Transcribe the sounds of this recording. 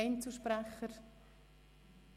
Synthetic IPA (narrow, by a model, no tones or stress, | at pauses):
ɪnt͡suʃpɾɛχəɾ